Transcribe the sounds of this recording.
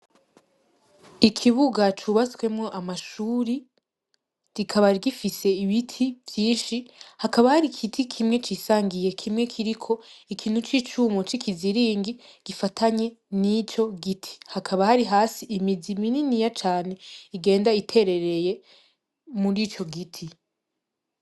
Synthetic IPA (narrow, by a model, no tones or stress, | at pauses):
ikʰiβuɡat͡ʃuβaskwe̞mŋo̞ʔamaʃuːɾi | ɡ̥ikʰaβaɾɡifise̞iβitʰivjiːnʃihakaβahaɾikʰitʰikʰimŋe̞t͡ʃiːsaːŋɡije̞kʰimŋe̞kʰiɾikʰo̞ikʰiːn̥hut͡ʃiːt͡ʃuːmot͡ʃikʰiziɾiːŋɡiɡ̥ifatʰaɲe̞nit͡ʃo̞ɡitʰi̥hakʰaβahaɾiɦaːsiʔːmidimininijat͡ʃaːne̞iɡe̞ːndaitʰe̞ɾe̞ɾe̞je̞ | muɾit͡ʃo̞ɡitʰi